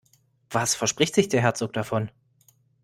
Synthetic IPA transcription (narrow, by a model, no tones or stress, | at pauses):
v̥asfɛɐʃpʁ̥ɪçtz̥ɪçd̥eːɐɦɛɐt͡soːk̚d̥afɔn